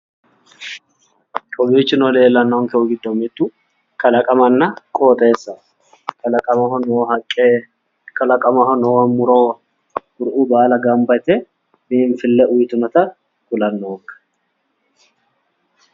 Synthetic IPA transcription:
kʼɔbiːt͡ʃːɪnɔleːlːɐnːɐɔŋkɛʊɡɪd̪ːomɪt̪ːu | kɐlɐkʼɐmɐnːɐkʼoːt̪ʼeːsːɐ | ɐkʼɐɐhɔnoːhɐkʼːeː | kɐlɐkʼɐmɐhɔnoːmːʊɾoː | ɡʊɾʔuːbaːlɐɡɐmbɐt̪ɛ | miːɱfɪlːɛʔʊjt̪ʊmɐt̪ɐ | kʊlɐnːoːkːɐ̥

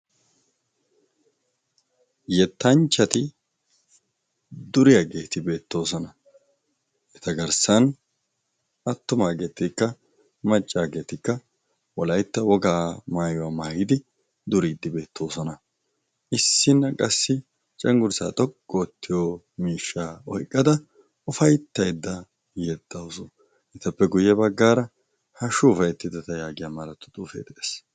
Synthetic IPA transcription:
jɛt̪ːɐnt͡ʃːɐt̪ɪ | d̪ʊɾɪjɐɡe̞ːt̪ɪbe̞ːt̪ːo̞ːsɔnɐ | ʔɛt̪ɐɡɐɾsɐn | ɐt̪ːʊmaːɡe̞ːt̪ːɪkːɐ | mɐt͡ʃʼːaːɡe̞ːt̪ɪkːɐ | wɔlɐjt̪ːɐwɔɡaːmaːjʊwaːmaːhɪd̪ɪ | d̪ʊɾiːd̪ːɪbe̞ːt̪ːo̞ːsɔnɐ | ʔɪsːɪnːɐkʼɐsːɪ | t͡ʃʼɛŋɡʊɾsa̰ːt̪ʼɔkʼːɔːt̪ːɪjo | miːʃːaːɔ̰jkʼːɐd̪ɐ | ʊfɐjt̪ːɐjd̪ːɐ | jɛd̪̥ːɐwsɔ | ʔɪt̪ːɐpːɛɡʊjːɛbɐɡːaːɾɐ | hɐʃuːfɐjɛt̪ːɪd̪ɐt̪ɐjaːɡɪjaːmɐɾɐt̪ːʊ̥t̪ʼuːfḛːt̪ɛʔeːs

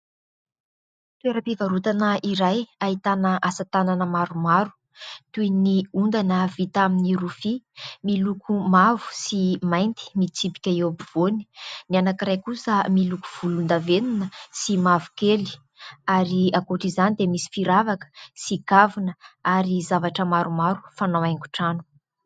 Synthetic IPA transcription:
t̪uweɾəpivaɾut̪anəiɾajaɦit̪anəʔasat̪ananəmaɾumaɾu̥ | t̪ujniund̪anəvit̪aminiɾufimilukumavu̥simajnt̪i̥mit͡sipi̥kʲaewabuv̥oni̥nianakirajkusəmiluku̥v̥ulund̪avenunəsimavu̥keli̥ | aɾiakoʈ͡ʂizanid̪emisi̥fiɾavakə̥sikavunəaɾizavaʈ͡ʂəmaɾumaɾu̥fanawajŋɡu̥ʈ͡ʂanu̥

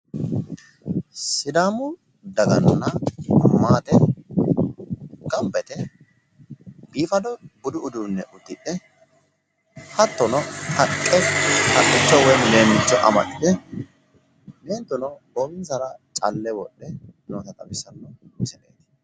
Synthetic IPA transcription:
sɪd̪aːmʊ | d̪ɐɡɐnːɐmaːt̪ɛ | ɡɐmbɛt̪ɛ | b̥iːfɐd̪ɔbʊd̪ʊʊd̪uːnːɛʔʊt̪ːɪᶑɛ | hɐt̪ːɔnɔtʰɐkʼːɛtɐkʼːɪt͡ʃːɔwɛle̞ːmːɪt͡ʃːɔʔɐ̰mɐ̰ʔɪt̪ɛ | neːnt̪ːʊnɔboːbɪnsɐɾɐt͡ʃʼɐlːɛwɔɗːɛnoːt̪ɐt̪ʼɐbɪsɐnːɔt͡ʃɛɗḛːt̪

